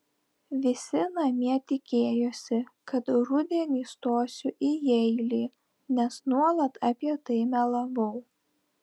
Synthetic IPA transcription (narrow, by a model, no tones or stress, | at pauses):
ʋʲɪsʲɪnɐmʲiɛt̪ʲɪkʲeːjoːsʲɪkɐt̪ɾʊd̪ʲenʲɪst̪oːsʲʊʔijɛɪlʲiː | nʲɛsnuɔlˠɐt̪ɐpʲiɛt̪ɐɪmʲɛlˠɐʋɐʊ